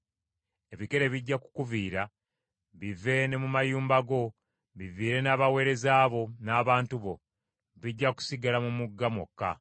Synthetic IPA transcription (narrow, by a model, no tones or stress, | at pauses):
e̞βike̞ɾeβiɟːaku̥kuviːɾa | βive̞ne̞mumajuːmbaɡo̞ | βiviːɾe̞naːβawe̞ːɾe̞zaːβo̞naːβaːntuβo̞̰ | βiɟːaku̥siɡalamumuɡːamo̰kːa̰